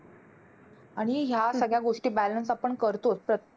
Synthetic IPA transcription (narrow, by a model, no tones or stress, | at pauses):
aɽ̃iɦjasəɡɭjaɡoʂʈiːbælənsapəɳkəɾt̪opɾə